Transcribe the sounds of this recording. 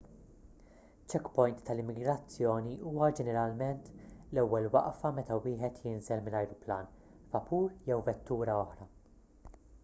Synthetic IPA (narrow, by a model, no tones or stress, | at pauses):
t͡ʃɛkpɔjnt̪ːɐlɪmːɪɡɾɐt͡sːjɔːniuːwɐd͡ʒɛnɛɾɐlmɛnt̪lɛwːɛlwɐ̰ʔfɐmɛt̪ɐwɪːħɛt̪jɪnzɛlmɪnɐjɾʊplɐːn | fɐpuːɾjɛwvɛt̪ːuːɾɐɔħɾɐ